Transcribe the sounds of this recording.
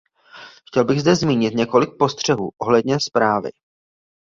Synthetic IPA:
xcɛlbɪɣzdɛzmiːɲɪt̪ɲɛko̞lɪk̚po̞st̪r̝̥ɛɦṵːʔo̞ɦlɛdɲɛspɾaːvɪ̰

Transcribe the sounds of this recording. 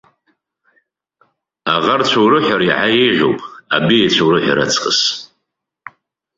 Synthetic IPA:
aʁart͡ʃʷʰawɾɨħʷaɾiʕajejʒʲʷo̰wpʼa̰biat͡ɕʷʰawɾɨħʷᶣa̰ɾa̰t͡sʼqʼəs

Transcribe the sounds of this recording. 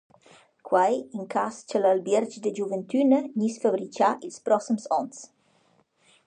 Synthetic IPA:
kʰwajiŋkʰast͡ʃəlalbɛɾd͡ʒd̪əd͡ʒuvənt̪ʰynəɲisfabɾit͡ʃaʔilspɾɔsimsɔns

